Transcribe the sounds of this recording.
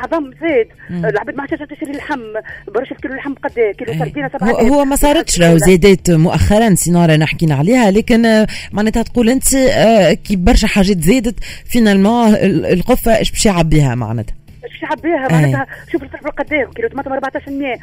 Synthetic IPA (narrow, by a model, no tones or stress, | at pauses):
ʕðˤɑmzɛːd̪lʕbɛːd̪maʕat̪ænʃt̪æʃɾilɪlħamːbɑɾːˤuːʃɪlkiːlulħamːbqɑd̪ːɛːkiːluæd̪iːnasabʕhʊwːmæsˤɑːɾɑt̪ʃɾˤɑːhuzjɛd̪ɛːt̪mʊʔæxːɑɾˤɑnsinɑːɾˤɑnaħkiːnaʕaliːhælɛːkɪnmaʕnɛːt̪hæt̪quːlʔɪnt̪ikiːbɑɾˤʃɛħaːʒɛːt̪zɛːd̪ət̪finalmɑ̃ːɪlqofːæʔɛ̰ːʃbɛːʃjaʕabːiːhæ̰ma̰ʕnɛ̰ːt̪hæ | ʔæːʃbæʃjʕabːiːhɛmaʕænɛːt̪hɛʃuːbʃt̪ˤɑħbɪlqɑd̪ːɛːmkiːlut̪mænt̪ʊmɑɾˤbaʕt̪ɑːʃɾmjɛː